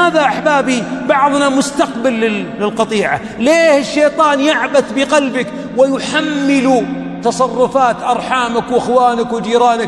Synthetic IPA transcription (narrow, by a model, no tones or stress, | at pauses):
aːðaʔaħbaːbibɑʕðˤnamʊst̪aqbalːɪɪlqɑt̪ˤiːʕa̰ | leːhɪʃːejt̪ˤɑːnjɪʕbaθbɪqalbak | wɪjħamːɪlu | t̪ɑsˤɑrˤːʊfaːt̪ʔɑɾˤħaːmakwʔɪxwaːnakwɪd͡ʒiːɾɑːnak